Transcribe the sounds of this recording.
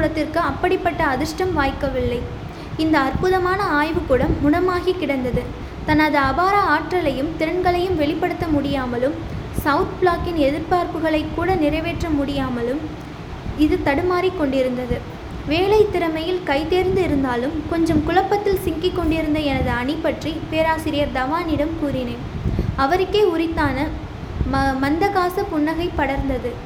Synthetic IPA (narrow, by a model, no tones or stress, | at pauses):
ɽɐt̪ːɪrkɯɐpːɐɽɪpːɐʈːɐːðɯʂʈɐmʋaːjkːɐʋɪlːɐɪ | ɪnd̪ɐːrpʊðɐmaːnɐaːjʋɯkɯɽɐmːʊnɐmaːɣikːɪɽɐnd̪ɐðɯ | t̪ɐnːɐðɯɐbaːɾɐaːʈrɐlɐjɯmt̪ɪɾɐɳɡɐɭɐjɯmʋɛɭɪpːɐɽɯt̪ːɐmʊɽɪjaːmɐlɯm | sɐʊt̪bɭaːkɪnɛðɪɾpaːɾpɯɣɐɭɐɪkːuːɽɐnɪɾɐɪʋeːʈrɐmʊɽɪjaːmɐlɯm | ɪðɯt̪ɐɽɯmaːɾikːɔɳɖɪɾɯnd̪ɐðɯ | ʋeːlɐɪt̪ːɪɾɐmɐjɪlkɐɪt̪eːɾnd̪ɯɪɾɯnd̪aːlɯmkɔɲd͡ʒɐmkʊlɐpːɐt̪ːɪlsɪŋkɪkːɔɳɖɪɾɯnd̪ɐɛnɐðɯɐɳɪpːɐʈripeːɾaːsɪɾɪjɐɾd̪ɐʋaːnɪɽɐmkuːɾɪneːnɐʋɐɾɯkːeːʊɾɪt̪ːaːnɐ | mɐnd̪ɐɣaːsɐpʊɳːɐɣɐɪpːɐɽɐɾnd̪ɐðɯ